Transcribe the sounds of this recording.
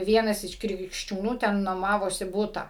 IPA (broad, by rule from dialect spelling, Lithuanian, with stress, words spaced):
ˈʋʲiɛnɐs ɪʃ krʲɪkʃʲt͡ʃʲuːˈnuː ˈtʲɛn nuɔˈmɑːʋoːsʲɪ ˈbuːtɐ